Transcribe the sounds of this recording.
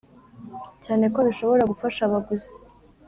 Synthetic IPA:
caːne̞ko̞βiʃo̞βo̞ɾaɡufaʃaβaɡuze̥

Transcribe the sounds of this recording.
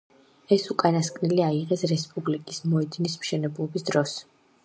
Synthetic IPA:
ɛsukʼanaskʼniliaiʁɛsɾɛspʼublikʼismɔɛd̪nismʃɛnɛblˠɔbisd̪ɾɔs

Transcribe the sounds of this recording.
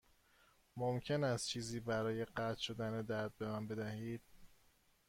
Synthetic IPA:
momcʰe̞næst̪̚t͡ʃʰiːziːbæɾɒːje̞ɢæt̪ʰʃo̞d̪æned̪æɾd̪̚be̞mænbe̞d̪æhiːd̪̥̚

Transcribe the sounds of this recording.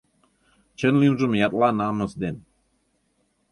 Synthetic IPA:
t͡ɕə̆nlimʐə̆mjɑt̪lɑnɑmɤ̆sd̪en

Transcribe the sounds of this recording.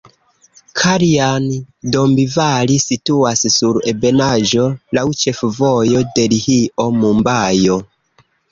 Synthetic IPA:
kʰaɾian | dombivalisituassuɾe̞be̞naʒo̞lawt͡ʃe̞fvojo̞de̞lihiʔo̞mumbajo

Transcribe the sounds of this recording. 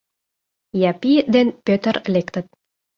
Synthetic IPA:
jɑpid̪enpʲøt̪ərlekt̪ə̆t̪̚

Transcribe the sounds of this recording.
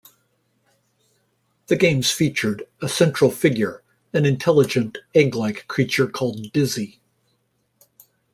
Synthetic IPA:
ðɨɡẽɪ̃mz̥fit͡ʃə˞ɾəsɛ̃nt͡ʃɹ̥l̩ˠfɪɡjə˞ | ɨ̃nɨ̃ntʰɛlˠəd͡ʒɨ̃ntæ̃ŋɡlaɪkʰːɹ̥it͡ʃə˞kʰɔlˠd̚dɪzi

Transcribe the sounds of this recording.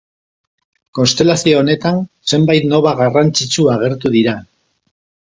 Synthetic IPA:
ko̞nst̪e̞lasioːne̞t̪anse̞mbajt̪no̞β̞aɣarant͡sit͡suaɣ̞e̞ɾt̪uðiɾa

